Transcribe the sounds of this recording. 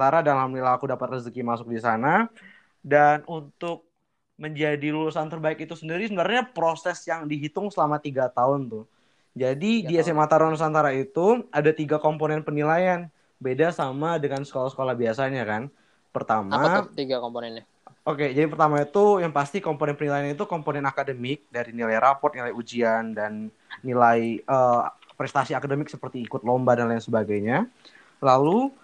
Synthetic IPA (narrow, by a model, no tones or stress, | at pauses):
t̪aɾadalamnilaakudapat̪̚rəzəkimasʊk̚disana | danunt̪ʊk̚ | məɲd͡ʒadilulusant̪ərbaɪkit̪usəndiɾisəənarɲapɾosɛsjaŋdiɦit̪ʊŋsəlamat̪iɡat̪aʊnt̪ʊ | d͡ʒadidiɛsɛmat̪aɾonsant̪aɾait̪uadat̪iɡakomponɛnpənilajan | bedasamadəŋansə̥kolasə̥kolahbiasaɲakan | pərt̪amat̪iɡakomponɛn | oked͡ʒadipərt̪amait̪ujaŋpast̪ikomponɛnpənilajanit̪ukomponɛnakadəmɪk̚daɾinilajrapɔrt̪̚nilajud͡ʒiandanː | ilaiəːpɾɛst̪asiakadəmɪk̚səpərt̪iːkʊt̪̚lombadanlajansəbaɡajɲa | lalu